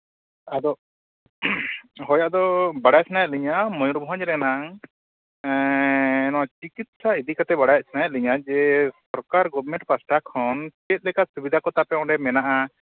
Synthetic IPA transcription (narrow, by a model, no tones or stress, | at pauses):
ad̪ɔ | ɦɔjad̪ɔbaɽajat̪̚sʰnajat̪̚liɲamɔjuɾbɔɦɔ̃ɲɾɛnaŋ | ɛnɔt͡ʃikit̪̚said̪ikat̪ɛbaɽajat̪̚t͡ʃʰnajat̪̚liɲad͡ʒɛsɔɾkaɾɡɔbʱɾmɛ̃ɳʈpasʈʰakʰɔnt͡ʃɛt̪̚ˀlɛkasubid̪ʱakɔt̪apɛɔ̃ɖɛmɛnaʔa